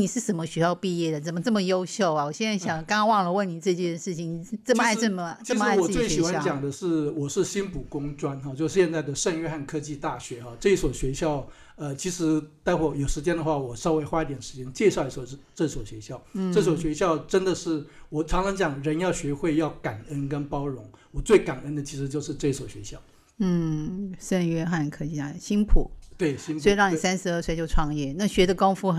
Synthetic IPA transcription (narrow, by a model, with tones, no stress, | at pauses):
ni˨˩ʂɻ̩˥˩ʂə˨˩nmə˦˧ɕɥɛ˧˥jɑ˥˧ʊpi˥˧jɛ˥˩d̪ə˩t͡sə˨˩mə˦ʈ͡ʂɤ˥˩mə˩jo˥ʊɕjo˥˩ʊa˨˩wɔ˨˩ɕjɛ˥˧na˥˩ɕjɑ˨˩ŋkɑ˥ŋ˥wɑ˥˩ŋlə˨wə˥˩nni˨˩ʈ͡ʂɤ˥˧t͡ɕjɛ˥˧nʂɻ̩˥˩t͡ɕʰi˨˩ŋni˨˩˥t͡sə˥˩mə˧˥˧ɪɤ˥˩mə˩t͡ɕʰi˥˩ʂmə˧˥˧wɔ˨˩˥t͡swe˥˩ɪɕi˨˩xwa˧˥t͡ɕjɑ˨˩ŋd̪ə˦ʂɻ̩˥˩wɔ˨˩ʂɻ̩˥˩ɕi˥npu˨˩kʊ˥ŋʈ͡ʂwa˥nxɑ˥˧t͡ɕjo˥˧ʊʂ̩˥˩ɕjɛ˥˧nt͡sa˥˩ɪd̪ə˩ʂə˥˧ŋɥɛ˥˧xa˥˧nkʰɤ˥t͡ɕi˥˧t̪a˥˩ɕɥɛ˧˥xɑ˧ʈ͡ʂɤ˥˧i˥˩swɔ˨˩ɕɥɛ˧˥ɕjɑ˥˩ʊ | ə˧t͡ɕʰi˧˥ʂɻ̩˧˥t͡sa˥˧ɪwɔ˥˩jo˨˩ʊʂɻ̩˧˥t͡ɕjɛ˥nd̪ə˨xwa˥˩wɔ˨˩ʂɑ˥˧ʊwe˥˩ɪxwa˥i˧˩t̪jɛ˨˩nʂɻ̩˧˥t͡ɕʰjɛ˧˥ŋt͡ɕjɛ˥˧ʂɑ˥˩ʊi˧˥ɑ˥˩ʂɻ̩˥˧ʈ͡ʂɤ˥˩i˥˩swɔ˨˩ɕɥɛ˧˥ɕjɑ˥˩ʊn̩˧ʈ͡ʂɤ˥˩s̬wɔ˨˩ʊɕɥɛ˧˥ɕjɑ˥˩ʊʈ͡ʂə˥nd̪ə˨ʂɻ̩˥˩wɔ˨˩ʈ͡ʂʰɑ˧˥ŋʈ͡ʂʰɑ˧˥ŋt͡ɕjɑ˨˩˦ŋɻə˧˥njɑ˥˩ʊɕɥɛ˧˥xwe˥˧ɪjɑ˥˩ʊka˨˩nə˥nkə˥npɑ˥ʊɻʊ˧˥ŋwɔ˨˩t͡swe˥˩ɪka˨˩nə˥nd̪ə˨t͡ɕʰi˧˥ʂɻ̩˧˥t͡ɕjo˥˧ʊʂɻ̩˧ʈ͡ʂɤ˥˧i˥swɔ˨˩ɕɥɛ˧˥ɕjɑ˥˩ʊ | n̩˥˩ʂə˥˧nɥɛ˥xa˥˧nkʰɤ˥t͡ɕi˧˩a˥˩ɕi˥npʰṵ˨˩˦t̪we˥˩ɪsɕi˥nwɔ˥i˧ɻɑ˥˩ŋn˧˨˩sa˥nʂɻ̩˧˥ə˥˩swe˧˥ɕjo˥˧ʊʈ͡ʂʰwɑ˥˧ŋjɛ˥˩na˥˩ɕɥɛ˧˥d̪ə˨˧kɑ˥ʊfu˥xə˨˩